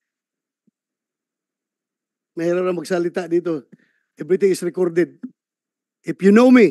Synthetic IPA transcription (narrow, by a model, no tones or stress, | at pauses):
mɛɾoɾɐŋmɐɡsɐlɪt̪aʔd̪iːt̪̬o | ɛvɾɪt̪ɪ̃ŋɪsɹɪkɔɾd̪ɛd̪̚ | ʔɪfjunowmi